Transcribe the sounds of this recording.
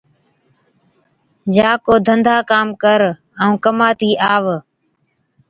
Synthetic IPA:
d͡ʒaːkoːd̪ʱənd̪ʱaːkaːmkəɾ | əũːkəmaːt̪iːʔaːʋ

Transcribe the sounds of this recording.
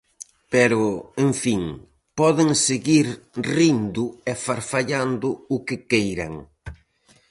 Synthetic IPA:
pɛɾʊeɱfiŋ | pɔðɪŋseɣiɾrind̪ʊɛfaɾfaʎand̪ʊʊkɪkejɾɐ̰ŋ

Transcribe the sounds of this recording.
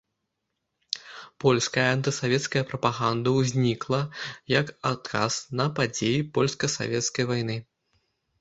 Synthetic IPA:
pɔlʲskɐjɐant̪ɨsavʲɛt̪skɐjɐpɾɐpaɣand̪ɐwzʲnʲiklˠɐjɐkat̪̚kʰa̰z̥nɐpad͡zʲejipɔlʲskɐsa̰vʲɛt̪skɐjvajnɨ

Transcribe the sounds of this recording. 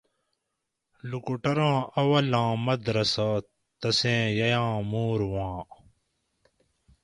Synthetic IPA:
lukuʈɐɾãːɐwɐlãːmɐd̪ɾɐsaː | t̪ɐsẽːjɐjãːmuːɾwãː

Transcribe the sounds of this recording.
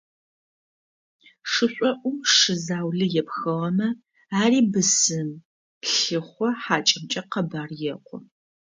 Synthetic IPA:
ʂɨɕʷʼɔʔʷʊmʂɨzaːwɮɨjɛpxɐʁɐmɐ | aːriːbɨsɨm | pɬɨχʷɔħaːt͡ʃʼɐmt͡ʃʼɐqɐbaːrjɛqʷɔ

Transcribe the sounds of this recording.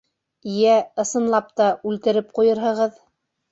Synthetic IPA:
ijæɤ̆sɤ̆nlˠɑp̚t̪ɑʉlt̪ɘ̆ɾɘp̚qujɤɾɦɤ̆ʁɤð

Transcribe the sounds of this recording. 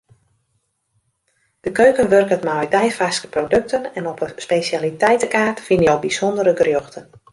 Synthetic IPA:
d̥əkøɥkənʋørkətmajdɛjfaskə̥prowdøk̚tʰənɛnɔpəspesjalitɛjtəkaːrtfinjowbiz̥ɔndəɾəɡrjɔxtən

